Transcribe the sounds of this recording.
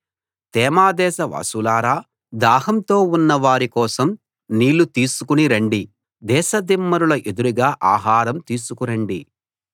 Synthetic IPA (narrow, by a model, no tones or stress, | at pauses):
t̪ɛːmaːd̪ɛːʃɐʋa̰ːsulaːɾaː | d̪aːɦɐmt̪o̞ːunːɐʋaːɾikɔːsɐm | niːlːut̪iːsukuniɾɐɳɖi | d̪ɛːʃɐd̪imːɐɾulɐʔed̪uɾiɡaːʔaːɦaːɾɐmt̪iːsukuɾɐɳɖi